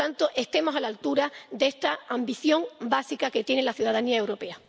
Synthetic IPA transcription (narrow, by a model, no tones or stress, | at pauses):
ant̪o̞ʔe̞st̪e̞mo̞salalt̪uɾad̪ee̞st̪aambiθjo̞ŋbasikake̞t̪je̞nelaθjuðaðaniae̞wɾo̞pe̞a